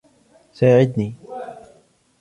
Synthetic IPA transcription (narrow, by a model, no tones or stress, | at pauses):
saːʕɪd̪niː